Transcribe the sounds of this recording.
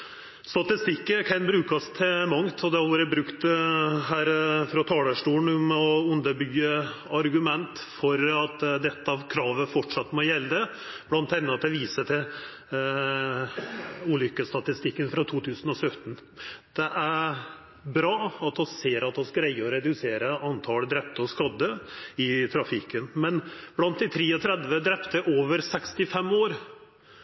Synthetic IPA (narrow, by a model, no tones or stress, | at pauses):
st̪ɑt̪ɪst̪ɪkːəkʰɛnbɾʉːkɑst̪ʰɪmɑŋt̪ʰɔd̪ɛhɑlːɾəbɾʉkt̪ɦæːɾfɾɔt̪ʰɑːləʂʈuːɳ̩ʊmɔʉnd̪əbyːə | ɑɾɡʉmɛnt̪fɔɾɑt̪d̪ɛt̪ːəɑʋkʰɾɑːʋəfɔʈʂɑt̪ːmɔjɛlːd̪ə | b̥lɑnt̪hɛnːət̪ɛʋiːsət̪ʰɪ | ʉːlʏkːəst̪ɑt̪ɪst̪ɪkːənfɾɑt̪ʰuːt̪ʰʉːsənɔsœt̪ən | d̪̥ɛʔæɾ | bɾɑːɑt̪ɔsseːɾɑt̪ɔsɡɾɛɪəɔɾɛd̪ʉseːɾəɑnt̪ʰɑːləd̪ɾɛp̚t̪əɔskɑd̪ːəɪt̪ʰɾɑfɪkːənmɛnb̥lɑnt̪̚d̪ɪt̪ʰɾiːɔt̪ʰɾɛd̪ʋəd̪ɾɛpt̪əʔoːʋəɾsɛkst̪ɪfɛmːoːɾ